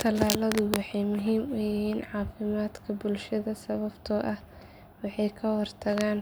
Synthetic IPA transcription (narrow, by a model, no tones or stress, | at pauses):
t̪ʰɐlaːlɐðʊwɑħɑjmʊɦiːmʊjɪɦiːnʕɑːfɪmaːd̪kʰɐbʊlʃɐðɐsɐβɐbt̪ʰɔːʔɐh | wɑħɑjkʰɐwɑrt̪ʰɐɣaːn